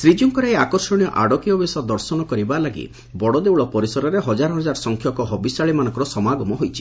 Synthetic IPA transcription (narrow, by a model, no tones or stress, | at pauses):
sɾid͡ʒuŋkɔɾeeakɔɾsɔɽ̃ijɔʔa̰ɽɔkiɔbesɔd̪ɔɾsɔnɔkɔɾibalaɡḭ | bɔɽɔd̪ewɭɔpɔɾisɔɾɔɾeɦɔd͡ʒaɾɔɦɔd͡ʒaɾɔsɔŋkʰjɔkɔɦɔbisaɭimanɔ̃ŋkɔɾɔsɔmaɡɔmɔɦojt͡ʃʰi̥